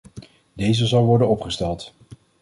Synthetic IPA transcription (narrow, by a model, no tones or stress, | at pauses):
dejzəzɑlˠʋɔɹdənɔpχəstɛlˠt